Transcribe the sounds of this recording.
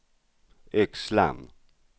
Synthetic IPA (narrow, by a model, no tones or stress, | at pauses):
ɛksla̰m